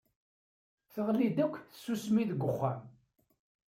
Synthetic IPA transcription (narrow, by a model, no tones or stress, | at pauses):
θəʁlid̪ækʷːθəsːusmiðɡʷːəχːæm